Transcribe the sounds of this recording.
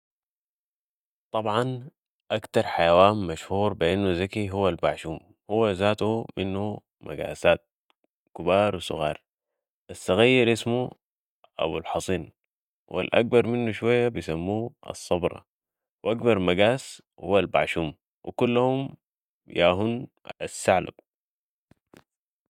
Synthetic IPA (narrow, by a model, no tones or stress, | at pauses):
t̪ˤɑbʕɑn | ʔakt̪ɑɾˤħajawaːnmaʃhuːɾˤbiʔinːuzakiɦuwːalbaʕʃuːm | huwːazaːt̪uminːu | mʔa̰ɡa̰ːsaːt̪̚ | kɪbɑːɾˤwisʊ̰ɣɑ̰ːɾˤ | ʔasːaɣajːiɾʔismu | ʔa̰bṵlħɑsˤiːn | wa̰lʔa̰k̚bɑɾˤminːuʃwajːabijsamːuːʔɑ̰sˤːɑbɾˤɑ̰ | wʔakbɑɾˤmaɡaːs | huwːalba̰ʕʃuːm | wʔḭkulːahum | jaːɦun | asːaʕla̰b̥̚